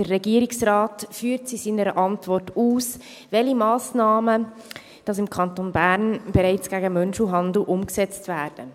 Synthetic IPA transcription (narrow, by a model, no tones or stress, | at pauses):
d̥ərːɛɡiəɾiksɾɑːtfyːɾtsisiːnəɾəʔɑntvɔrtuːs | vɛlimɑːsnɑːmə | d̥ɑsɪmkʰɑntoːnbæːɾnb̥ɛɾaɪt͡sɡ̥æɡəmœnʃuɦɑnd̪l̩ʔʊmksɛt͡stvæːɾd̥ə